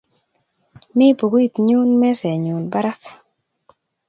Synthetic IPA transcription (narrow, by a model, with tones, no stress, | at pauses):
mi˦po˨ɡo˦i˦˨t̪ɲu˦nmɛ˦sɛ˨ɲu˨nba˦ɾa˦k